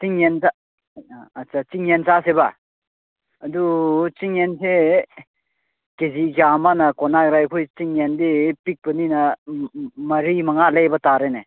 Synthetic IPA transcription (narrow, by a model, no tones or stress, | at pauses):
t͡ʃiŋensa | at͡ʃat͡ʃiŋent͡ʃaseba | ɐdut͡ʃiŋense | kezikamanɐkɔnaɾajkʰojt͡ʃiŋendipik̚bɐninɐ | mɐɾimɐŋalejbɐtaɾene